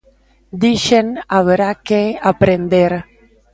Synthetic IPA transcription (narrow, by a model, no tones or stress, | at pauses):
d̪iʃenaβeɾakeapɾend̪eɾ